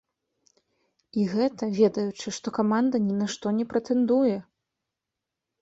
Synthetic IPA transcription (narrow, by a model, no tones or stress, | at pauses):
iɣɛt̪ɐvʲɛd̪ɐjut͡ʂɨʂt̪ɔkamand̪ɐnʲɛnaʂt̪ɔnʲɛpɾɐt̪ɛnd̪ujɛ